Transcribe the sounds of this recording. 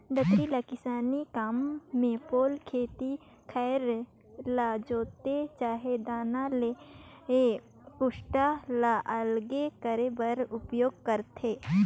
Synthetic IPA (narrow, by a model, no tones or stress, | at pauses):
d̪ət̪ɾilakɪsaːnikaːmːẽpoːlkʰeːt̪i | kʰɛːɾ | laːd͡ʒoːt̪et͡ʃaːɦed̪aːnalee | pʊʃʈalaʔəlɡekəɾebəɾʊpjoːɡ̚kəɾt̪eː